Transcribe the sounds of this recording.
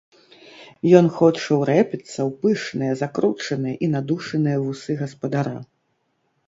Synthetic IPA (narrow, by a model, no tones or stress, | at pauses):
jɔnxɔt͡ʂɐwɾɛpʲit̪sːɐwpɨʂnɨjɐzakɾut͡ʂɐnɨjɐʔinad̪uʂɐnɨjɐvusɨɣɐspɐd̪aɾa̰